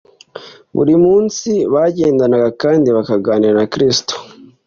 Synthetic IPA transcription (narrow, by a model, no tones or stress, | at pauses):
βṵɾimuːnsiβaɟe̞ːndanaɡakaːndiβakaɡaːniɾanakɾisi̥to̥